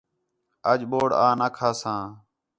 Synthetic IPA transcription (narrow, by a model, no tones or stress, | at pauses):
əd͡ʒɓoːɽaːnaːkʰaːsãː